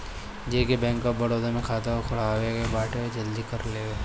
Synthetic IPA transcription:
d͡ʒeːkebɛ̃ːŋkɔp̚bɐɽoːd̪amẽkʰaːt̪aokʰʊɽ̤aːweɡebaːʈed͡ʒɐld̪ikɐɾleːweː

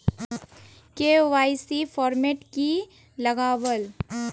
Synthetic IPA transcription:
keʋaːjsifɔːɾmeːʈki | lɐɡaːwəl

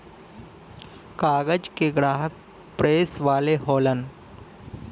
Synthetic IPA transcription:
kaːɡəd͡ʒkeɡɾaːɦək̚ | pɾeːsʋaːleɦoːlən

